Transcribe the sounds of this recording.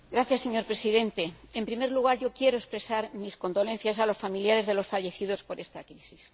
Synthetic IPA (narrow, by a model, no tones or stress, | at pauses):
ɡɾaθjasːe̞ɲo̞ɾpɾe̞siðe̞nt̪e̞empɾime̞ɾluɣ̞aɾʝo̞kje̞ɾo̞espɾe̞saɾmisko̞nd̪o̞le̞n̟θjasalo̞sfamiljaɾe̞zðe̞lo̞sfaʝe̞θið̞o̞spo̞ɾe̞st̪akɾisis